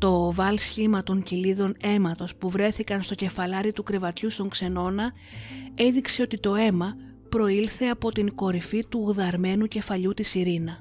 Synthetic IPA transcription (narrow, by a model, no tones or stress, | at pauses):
t̪o̞vɐlsçimɐt̪o̞ɲciliðo̞ne̞mɐt̪o̞spuvɾe̞θikɐnst̪o̞ce̞fɐlɐɾit̪ukɾe̞vɐt̪çust̪o̞ŋkse̞no̞nɐ | e̞ðikse̞o̞t̪it̪o̞e̞mɐ | pɾo̞ilθe̞ɐpo̞t̪iŋko̞ɾifit̪uɣðɐɾme̞nuce̞fɐʎut̪isiɾinɐ